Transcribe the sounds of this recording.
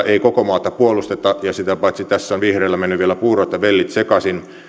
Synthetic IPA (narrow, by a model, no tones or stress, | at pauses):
eikokomɑːt̪ːɑpuolust̪et̪ːɑjɑsit̪æpɑˑit̪sit̪æsːonʋihreːlːæmenːyʋʋielæpuːroˑt̪ːɑʋelːit̪sekɑsin